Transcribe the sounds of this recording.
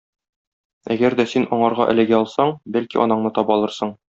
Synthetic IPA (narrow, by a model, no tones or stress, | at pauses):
æɡæɾd̪æsinɒɴɑɾʁɑʔɘ̆lɘ̆ɡæɒlˠsɑɴbælkiʔɒ̰nɑɴnɤt̪ɒpɒlˠɤ̆ɾsɤɴ